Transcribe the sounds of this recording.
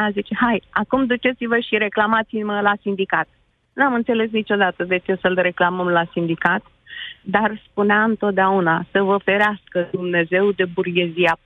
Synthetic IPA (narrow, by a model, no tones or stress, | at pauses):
azit͡ʃe̞hajakumd̪ut͡ʃe̞t̪sivəʃiɾe̞klamat̪siməlasind̪ikat̪̚ | nuamɨnt̪se̞le̞s̬nit͡ʃo̞d̪at̪əd̪e̞t͡ʃe̞səlre̞klaməmlasind̪ikat̪ | d̪arspuneaɨnt̪ot̪̚d̪eaunasəvəfe̞ɾeaskəd̪umne̞ze̞wd̪e̞burɡe̞zia